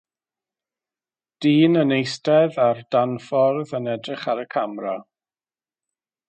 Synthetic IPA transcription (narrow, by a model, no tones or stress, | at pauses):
d̥iːnənejstɛðard̥anfɔrðənɛdrɪχaɾəkʰamra